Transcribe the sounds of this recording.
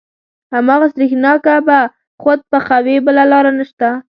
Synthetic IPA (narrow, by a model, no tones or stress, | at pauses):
hamɑɣast̪ɾixnɑkaba | xod̪̚pəxawebəlalɑɾanəʃt̪a